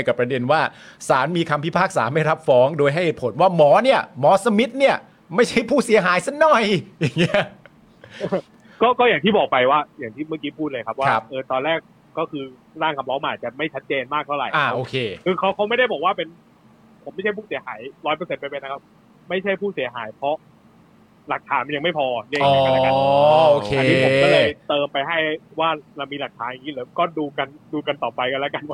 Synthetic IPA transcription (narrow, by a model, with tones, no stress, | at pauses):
jka˨˩pɾa˧de˧nwaː˥˩saː˩˦nmiː˧kʰa˧mpʰi˦˥˩pʰaː˥˩k̚sa̰ː˩˦ma˥˩jɾa˦˥p̚fɔː˦˥ŋdoː˧jɦa˥˩jhe˨˩t̪pʰo˩˦nwaː˥˩mɔː˩˦ni˥˩ɐmɔː˨˦˥sa˧mi˦˥t̪̚ni˥˩ɐ | ma˥˩jt͡ɕʰa˥˩jpʰuː˥˩si˨˦ɐɦaː˩˦jsa˥˩nɔ˧˥˩jja˨˩ŋːi˦˥ɐ | kɔː˥˩kɔː˥˩jaː˨˩t̪ʰiː˥˩bɔː˨˩k̚pa˧jwaː˥˩jaː˨˩ŋt̪ʰiː˥˩ma˥˩kiː˦˥pʰuː˥˩t̪̚lːɤ˧jkʰa˦˥p̚waa˧˦˥p̚ʔɤː˧t̪ɔː˧nɾɛː˥˩k̚ | kɔː˥˩kʰɯː˧ | ɾaː˥˩ŋkʰa˧mlɔː˦˥ma˧nʔaː˨˩t͡ɕa˨˩ma˥˩jt͡ɕʰa˦˥t̪̚t͡ɕeː˧nmaː˥˩k̚t̪ʰa˥˩wɾa̰˨˩jʔaː˧˩ʔoː˧kʰeː˧kʰɯː˧kʰa˦˥wkʰa˦˥wma˥˩jɾa˥˩jbɔː˨˩k̚waː˥˩pe˧n | pʰo˨˩˦ma˥˩t͡ɕʰa˥˩jpʰuː˥˩si˩˦ɦaː˩˦jɾɔː˦˥jpɤː˧se˧npa˧pe˧na˦˥kʰa˦˥p̚ | ma˥˩jt͡ɕʰa˥˩jpʰuː˥˩si˩˦ɐɦaː˩˦jpʰɾɔ˦˥ | la˨˩k̚t̪ʰaː˩˦nma˧nja˧ŋma˥˩jpʰɔː˧ni˥˨˧klka˧oː˨kʰe˧niː˦˥pʰo˨˩˦kɔ˥˩lɤː˧jt̪ɤː˧mpa˧jɦa˥˩jwaː˥˩ɾa˧wmiː˧la˨˩k̚t̪ʰaː˨˦nja˨˩ŋiː˦˥lɛː˨˦wkɔː˥˩duː˧ka˧nduː˧ka˧nt̪ɔː˨˩pa˧jka˧lɛ˦˥ka˧nwa˦˩